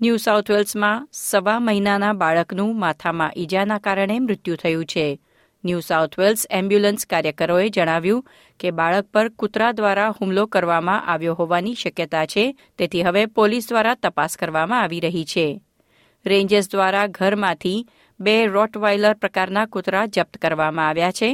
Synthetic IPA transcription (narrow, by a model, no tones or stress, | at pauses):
njusawt̪ʰʋelsmãsəʋaməɦinanabaɭəknũmat̪ʰamã̰ʔid͡ʒanakaɾəɳ̃emɾʊt̪jũt̪ʰəjũt͡ʃʰe | njusaut̪ʰʋelsɛ̃mbjulənskaɾjəkəɾoed͡ʒəɽ̃aʋjũ | kebaɭək̚pəɾkʊt̪ɾad̪ʋaɾahumlokəɾʋamãʔaʋjoɦoʋaniʃəkjət̪at͡ʃʰe | t̪et̪ʰiɦəʋepolis̬d̪ʋaɾat̪əpaskəɾʋamãaʋiɾəɦit͡ʃʰe | ɾẽɲd͡ʒəs̬d̪ʋaɾaɡʱəɾmãt̪ʰi | beɾɔʈʋajləɾpɾəkaɾnakʊt̪ɾad͡ʒəp̚t̪kəɾʋamãaʋjat͡ʃʰe